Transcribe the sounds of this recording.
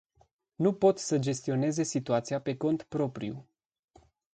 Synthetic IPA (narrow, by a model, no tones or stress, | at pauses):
nupo̞t̪səd͡ʒe̞st̪io̞ne̞ze̞sit̪uat̪siape̞ko̞nt̪pɾo̞pɾḭṵ